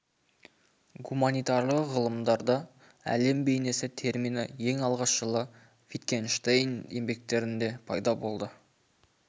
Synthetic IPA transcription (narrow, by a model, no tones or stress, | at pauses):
ɡumanijt̪ɑɾlˠəqʁəlˠəmd̪ɑɾd̪ɑ | æ̰le̞mbe̞jne̞sɪt̪ʰe̞ɾmijnɪ̰je̞ŋɑlˠʁɑʃʒəlˠə | vit̪kʲenʃt̪ejnje̞mbe̞k̚t̪e̞ɾɪnd̪e̞pʰɑ̰jd̪ɑbo̞lˠd̪ə